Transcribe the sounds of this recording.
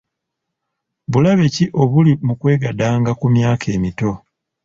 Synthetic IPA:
βulaβe̞ciʔo̞βulimukwe̞ːɡadaːŋɡakumjaːkʰe̞ːmito̞

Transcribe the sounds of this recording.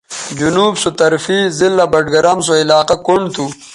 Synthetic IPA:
d͡ʑunuːbsot̪ɐɾfizilːabɐɖɡɐɾams̬oilaːqakoɳɖt̪ʰu

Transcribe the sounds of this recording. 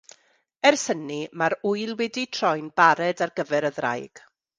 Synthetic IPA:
ɛrsənimaɾujlˠwɛditʰrɔjnbaɾɛdarɡəvɛɾəðra̰jɡ̥

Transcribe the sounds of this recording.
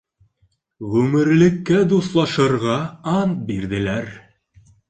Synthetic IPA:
ʁʉmɘ̆ɾlɘ̆kːæd̪uslˠɑʃɤ̆ɾʁɑɑnbiɾðɘ̆læɾ

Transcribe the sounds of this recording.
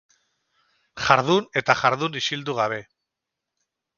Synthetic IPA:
ʝaɾðune̞t̪aʝaɾðunisild̪uɣaβ̞e̞

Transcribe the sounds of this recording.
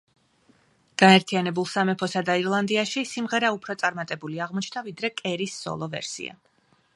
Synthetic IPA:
ɡ̥aɛɾt̪ʰianɛbulˠsamɛpʰɔsad̪aiɾlˠand̪iaʃisimʁɛɾaupʰɾɔt̪sʼaɾmat̪ʼɛbuliaʁmɔt͡ʃʰd̪avid̪ɾɛkʼɛɾisz̥ɔ̰lˠɔvɛ̰ɾsḭa̰

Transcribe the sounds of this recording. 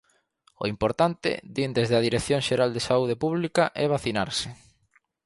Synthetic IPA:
o̰impoɾt̪ant̪ɪ̰d̪ind̪ezðeaðiɾekθjoŋʃeɾald̪esauð̞epuβlikaʔɛβ̞aθina̰ɾsɪ

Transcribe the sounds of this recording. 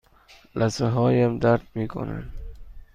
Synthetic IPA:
lʔazaɦɔjamd̪aɾd̪̚mikʰʊ̰na̰n

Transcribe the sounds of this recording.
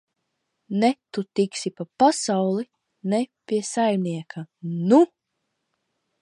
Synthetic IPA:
nɛt̪ut̪iksipapasawlˠi | nɛpʲiɛsajmniɛkʰanu

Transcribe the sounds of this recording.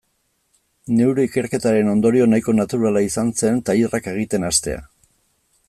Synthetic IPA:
ne̞wɾeike̞ɾke̞t̪aɾe̞no̞nd̪o̞ɾio̞najko̞nat̪uɾalaisanse̞nt̪airake̞ɣ̞it̪e̞nast̪e̞̰a̰

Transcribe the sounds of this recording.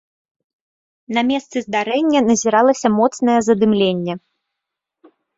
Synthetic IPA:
nɐmʲɛst̪sɨzd̪aɾɛnʲːɐnɐzʲiɾalˠɐsʲɐmɔt̪sn̪ɐjɛzɐd̪ɨmlʲenʲːɛ

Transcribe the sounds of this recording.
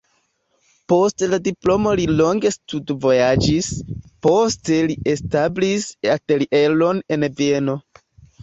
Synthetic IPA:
po̞stladiplo̞mo̞lilo̞ŋɡe̞studvojad͡ʒispo̞ste̞liʔestablisateliʔe̞lo̞ne̞nvie̞no̞

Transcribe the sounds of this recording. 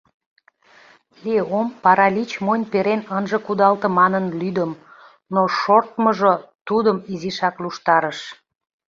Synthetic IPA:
leompɑɾɑlit͡ɕmonʲpeɾenənʒə̆kud̪ɑlt̪ə̆mɑnənlyd̪əm | noʃort̪məʒot̪ud̪əmiziʃɑkluʃt̪ɑɾəʃ

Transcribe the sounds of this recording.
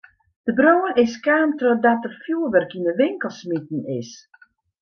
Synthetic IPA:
d̥əbroːənɪskaːmtrodɔt̚əfjuːəʋərkinəʋɪŋkəlˠsmitn̩ɪs

